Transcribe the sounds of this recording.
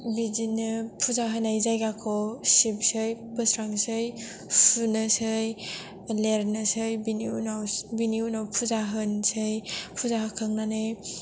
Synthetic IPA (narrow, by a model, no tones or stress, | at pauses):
bizinɯpʰuzaɦɯnajzajɡakʰɔsip̚sɯjpɯsɾaŋsɯj | pʰunɯsɯj | leɾnɯsɯjbiniunawbiniunawpʰuzaɦɯnsɯjpʰuzaɦakʰɯŋnanɯj